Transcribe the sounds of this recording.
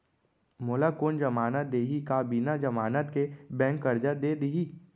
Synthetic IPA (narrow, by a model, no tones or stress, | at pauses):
moːlakoːnd͡ʒəmaːnət̪̚d̪eːɦikaːbiːnad͡ʒɐmaːnət̪kebɛ̃ːŋkːəɾd͡ʒad̪ed̪iɦiː